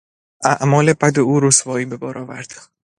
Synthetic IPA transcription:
ʔæʔmɒːlebæd̪euːɾosvɒːiːbe̞bɒːɾʔɒːvæ̰ɾd̪̥

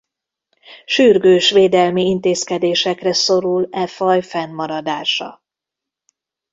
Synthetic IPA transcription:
ʃyrɡøːʃʋeːd̪ɛlmiint̪eːskɛd̪eːʃɛkrɛso̞ɾulɛfɒjfɛnmɒɾɒd̪aːʃɒ̰

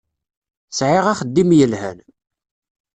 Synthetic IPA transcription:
sʕɪʁæχəd̪ːimjəlhæ̰n

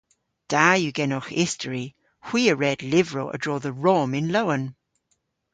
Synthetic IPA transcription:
d̥ajəɡɛnɔxɪstʰəɹi | hw̥iːəɹɛdlɪvɹoʔə̰dɹɔːðəɹomɪ̃nloʊə̃n

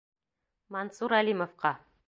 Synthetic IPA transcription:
mɑnsuɾælʲimofqɑ

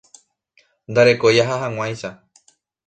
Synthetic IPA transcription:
nd̪aɾe̞kojaɦaɦãŋ̃w̃ãj̃ʃa

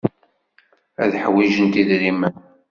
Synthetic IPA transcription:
æðħwiʒənt̪iðɾimən

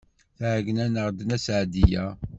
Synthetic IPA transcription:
θʕɡnænəʁd̪ənæsʕd̪ijæ

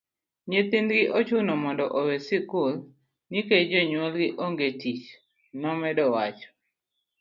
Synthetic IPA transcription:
ɲet̪ɪnd̪ɡɪʔot͡ʃunɔmɔndɔʔowesikʊl | niked͡ʒɔɲwɔlɡɪʔoŋɡetit͡ʃ | nɔmɛdɔwat͡ʃɔ̥

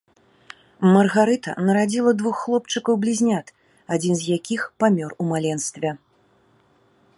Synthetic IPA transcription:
mɐrɣaɾɨt̪ɐ̰nɐɾad͡zʲilˠɐd̪vuxːlˠɔpt͡ʂɨkɐwblʲizʲnʲat̪ | ad͡zʲinzʲjakʲixpamʲɔrumalʲɛnst̪vʲɛ

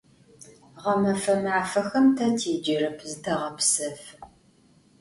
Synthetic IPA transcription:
ʁɐmɐfɐmaːfɐxɐmtʰɐtʰeːd͡ʒɪrɨpʰzɨtʰɐʁɐpsɐf

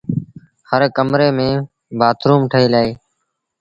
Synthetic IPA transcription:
həɾkəmɾeːmẽː | baːt̪ɾuːmʈʰəɦeːlaːeː

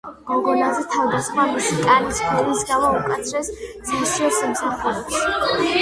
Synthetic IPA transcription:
ɡ̥ɔɡɔnazɛt̪ʰavd̪asχwamiʃikʼanisbuɾisɡamaukʼat̪sʰɾɛsd̪z̥iiʃiɔɾsamsaχuɾɛps

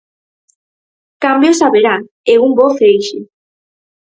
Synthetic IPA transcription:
kambjosaβeɾa | eumboθejʃe

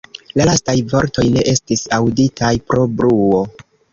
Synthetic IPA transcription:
lalastajvo̞ɾto̞jne̞ʔe̞stisawditʰajpɾo̞bɾuo̞

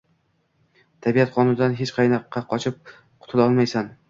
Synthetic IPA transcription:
t̪ʰabijat̪qʰɒnʊd̪anɦet͡ʃqʰɑjnɒqʰːɑqʰɒt͡ʃʰɪp̚ | qʰʊ̥t̪ʰɪlɒlˠmajsan

